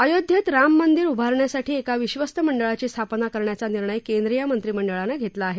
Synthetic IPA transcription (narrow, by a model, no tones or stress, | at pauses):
əjod̪ʱjət̪ɾamːənd̪iɾubʱaɾɳjasaʈʰiːekaʋiɕʋəst̪əməɳɖəɭat͡ɕiːst̪ʰapnakəɾɳjat͡saniɾɳəjkend̪ɾijamənt̪ɾiːməɳɖəɭanaɡʱet̪laːɦe